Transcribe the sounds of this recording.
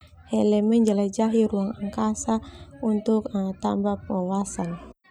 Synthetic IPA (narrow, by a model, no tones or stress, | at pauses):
hɛlɛmɛnd͡ʒəlad͡ʒaɦiɾuaŋaŋkasaunt̪ukt̪a̰mbapɔwasan